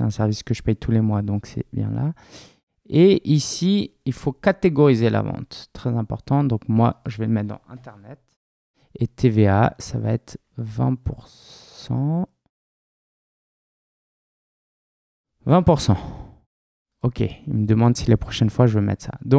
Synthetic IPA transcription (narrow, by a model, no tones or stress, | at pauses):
eɛ̃sɛʁviskəʒəpɛjt̪ʰulemwad̪ɔ̃ksɛ̰bjɛ̰̃la | eʔisiilfokat̪eɡɔʁizelʔa̰vɑ̰̃t̪ːχɛzɛ̃pɔʁt̪ɑ̃d̪ɔ̃kmwaʒəvɛmɛt̪d̪ɑ̰̃ʔɛ̰̃t̪ɛʁnɛt̪ | et̪ʰevea̰sava̰ɛt̪χ | vɛ̰̃puʁ | ɑ̃ | vɛ̃puʁsɑ̃ | ɔkʲʰeilməd̪əmɑ̃d̪silepχɔʃɛnfwaʒəvømɛ̰t̪χsa̰d̪ɔ̃